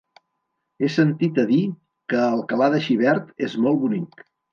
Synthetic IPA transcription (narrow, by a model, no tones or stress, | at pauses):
esənt̪it̪əði | kəːlˠkəlaðəʃiβɛɾt̪ezmɔlˠβunik